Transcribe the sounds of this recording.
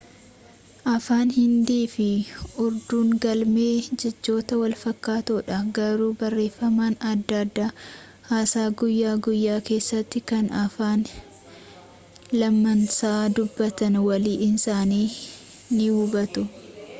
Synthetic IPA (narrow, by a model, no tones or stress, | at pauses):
ʔɐfaːnhɪnd̪iːfɪʊɾd̪uːŋɡɐlme̞ːd͡ʒɛd͡ʒːo̞ːt̪ɐwɐlfɐkːaːt̪oːᶑɐɡɐɾuːbɐrːe̞ːfːɐmaːnɐd̪ːad̪ːaː | haːsaːɡʊjːaːɡʊjːaːke̞ːsːɐt̪ːɪkɐnɐfaːn | lɐmːɐnsaːd̪ʊbːɐt̪ɐnwɐliːɪnsaːniː | nɪhʊbɐt̪ʊ